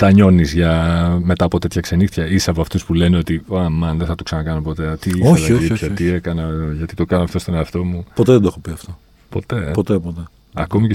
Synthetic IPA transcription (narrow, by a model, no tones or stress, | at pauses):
t̪ɐɲo̞nizʝɐme̞t̪ɐːpo̞t̪e̞t̪çɐkse̞nixt̪çɐisɐvoɐft̪uspule̞neo̞t̪ioɐmɐnðeθɐt̪u̥ksɐnɐkɐnopo̞t̪et̪iiθoeçlɐoiçɐt̪ie̞kɐnɐʝɐt̪it̪o̞kɐnɐft̪o̞st̪o̞ne̞ɐft̪o̞mupot̪eðend̪oexopiɐft̪o | po̞t̪e̞pot̪epot̪e | ɐ̰ko̞mice